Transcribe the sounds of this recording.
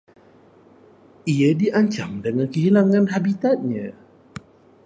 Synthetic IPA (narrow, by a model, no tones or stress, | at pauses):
ʔiədiʔaɲt͡ʃamdəŋankəɦilaŋãnɦabit̪at̪̚ɲã